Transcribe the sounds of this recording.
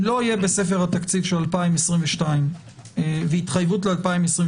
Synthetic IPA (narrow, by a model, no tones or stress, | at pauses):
lo̞ijebe̞se̞feʁhat̪akt͡sivʃelalpaimesʁimveʃtaim | veit̪χajvutlealpaimesʁĩm